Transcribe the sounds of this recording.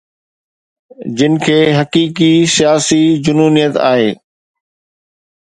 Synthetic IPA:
d͡ʑɪnɪ̆kʰeːɦɐkiːkisijaːsid͡ʑʊnuːnijət̪a̰ːɦḛː

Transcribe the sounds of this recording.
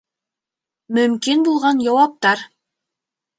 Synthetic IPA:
mɵ̆mkinbulˠʁɑnjɑwɑp̚t̪ɑɾ

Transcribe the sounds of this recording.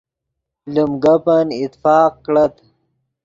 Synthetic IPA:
lumɡɐpɐnit̪fɑːq̚kɽɐt̪

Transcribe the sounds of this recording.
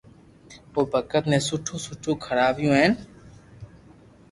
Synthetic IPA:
oːbʱəkət̪nẽːsʊʈʰũːsʊʈʰũːkʰəɽaːbjũːɦeːn

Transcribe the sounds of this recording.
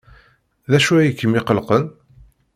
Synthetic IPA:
ðæʃuæjəkːəmɪqəlqən

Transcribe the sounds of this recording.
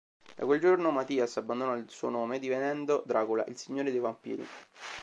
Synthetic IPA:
d̪akweld͡ʒornomat̪iːasabːand̪onɔilsuonoːmed̪ivenɛnd̪od̪ɾaːkula̰ʔilsiɲːoːɾed̪evampḭːɾḭ

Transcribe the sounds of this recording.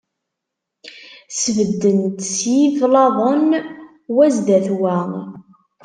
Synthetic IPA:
səvəd̪ːənt̪sjiflɑðˤən | wæzd̪æθwæ

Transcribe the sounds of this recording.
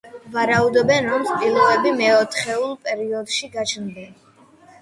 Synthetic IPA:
vaɾaud̪ɔbɛnɾɔmspʼilˠuvɛbimɛɔt̪ʰχɛulˠpʼɛɾiɔd̪ʃiɡat͡ʃʰnbɛn

